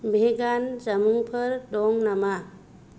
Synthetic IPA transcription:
bʱeɡand͡ʒamuŋpʰəɾdɔŋnama

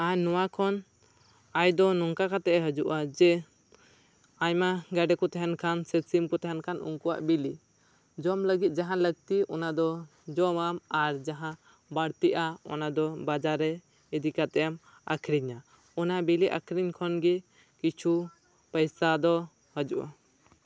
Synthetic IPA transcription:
anɔwakʰɔn | ajd̪ɔnɔŋkakat̪ɛʔɛɦəd͡ʒuʔad͡ʒɛ | aɲmaɡaɖɛkɔt̪ɛɦɛnkʰansɛsimkɔt̪ɛɦɛnkʰanṵŋkuwa̰ʔbili | d͡ʒɔmləɡit̪̚d͡ʒaɦãləɡ̚t̪iʔɔnad̪ɔ | d͡ʒɔmamaɾd͡ʒaɦã | baɽt̪iʔaɔ̰nad̪ɔbad͡ʒaɾɛ | id̪ikat̪ɛjam | a̰kʰɾiɲa | ɔnabiliʔa̰kʰɾiɲkʰɔnɡi | kit͡ʃʰu | pəjsad̪ɔ | həd͡ʒuʔa̰

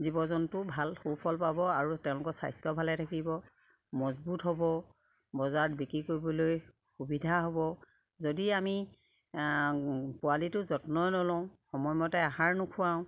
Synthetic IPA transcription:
zibɔzɔntʊbʱalxowpʰɔlpabɔaɹutɛʊ̃lʊkɔsa̰jstɔbʱalɛtʰakibɔ | mɔzbutɦɔbɔ | bɔzabikɹikoɹibɔloj | xubidʱaɦobɔ | zodiami | pʊalitʊzɔtnɔjnɔlɔ̃ʊ̃xɔmɔjmɔtɛaɦaɹnʊkʰʊwaʊ̃

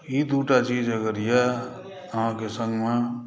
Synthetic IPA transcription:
jid̪uːʈat͡ʃiːd͡ʒəɡəɾjɛ | əɦãkesə̃ŋɡmẽ

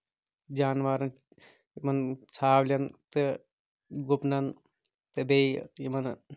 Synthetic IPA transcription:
d͡ʒaːnʋaːɾɐn | imɐnt͡sʰaːblʲɐnt̪ɨ | ɡopnɐn | t̪ɨbejjimɐn

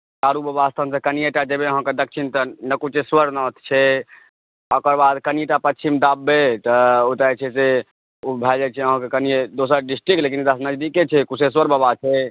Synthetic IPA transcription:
kaɾubəbast̪ʰənsə̃kənijeʈad͡ʒebeəɦə̃ked̪ək̚t͡ʃʰint̪ənəkut͡ʃeswəɾnət̪t͡ʃʰɛ | ɔkəɾbad̪kənijeʈapət͡ʃʰimd̪abːet̪əot̪at͡ʃʰɛse | ubʱɛld͡ʒat͡ʃʰɛəɦə̃kekənijed̪osəɾɖisʈɾiklekint̪asnəd͡ʒd̪iket͡ʃʰɛkuseswəɾbəbat͡ʃʰɛ

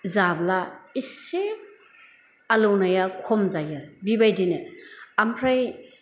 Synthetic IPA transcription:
zablaisep̚ | alownajakʰɔmzajaɾbibajdineampʰɾaj

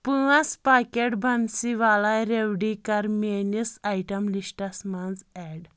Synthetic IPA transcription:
puãspakeʈbʱənsiʋalajɾewɖikaɾmenisajʈəmlisʈasmand͡zɛɽ

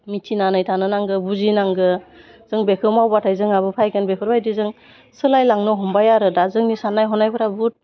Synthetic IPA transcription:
mitʰinanɯjtʰanɯnaŋɡɯbuzinaŋɡɯ | z̥ɯŋbekʰɯɾmawbatʰajzɯŋaβɯpʰajɡɯnbekʰɯɾbajdizɯŋ | sɯlajlaŋnɔɦɔmbajaɾɯdazɯŋnisanajɦɔnajpʰɯɾabut̚

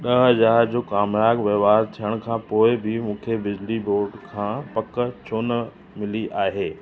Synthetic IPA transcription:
ɗɐɦɦɐzaːɾd͡ʑoːkaːmjaːɡʋeːʋaːɾt̪ʰijəɽ̃kʰãːpoːɪbʱɪmũːkʰebɪd͡ʑliboːɾɖkʰãːpɐkət͡ɕʰoːnə̆ | mɪliʔaːɦeː

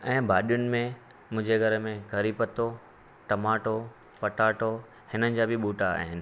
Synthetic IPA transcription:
ɛ̃ːbʱaːɗijʊnɪ̆mẽ | mʊ̃ɦɪ̃d͡ʑeɡʱɐɾmẽkɐɾipət̪o | ʈɐmaːʈo | pɐʈaːʈo | hɪnənɪ̆d͡ʑaːbʱɪɓuːʈaa̰ːɦɪnɪ̆

